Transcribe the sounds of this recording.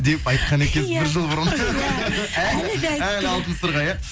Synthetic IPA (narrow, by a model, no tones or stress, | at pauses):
d̪e̞pɑjt̪̚qɑnekʲenɪɾʒəlˠbʊɾən | æælɑlˠt̪ənsʊɾʁɑjɑ